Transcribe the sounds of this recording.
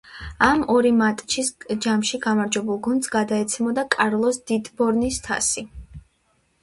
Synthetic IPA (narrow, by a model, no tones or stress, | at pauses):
amɔɾimat̪ʼt͡ʃʰisd͡ʒamʃiɡamaɾd͡ʒwɛbulˠɡund̪sɡad̪aɛt̪sʰɛmɔd̪akʼaɾlˠɔsd̪̥it̪ʼbɔɾnist̪ʰa̰si